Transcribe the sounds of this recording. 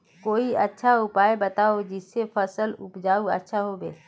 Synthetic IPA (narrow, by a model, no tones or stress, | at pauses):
koːiɐtːʃʰaʊpaːebət̪aːod͡ʒɪsːefʰəsəlʊpd͡ʒaːuə̰tːʃʰaɦobḛː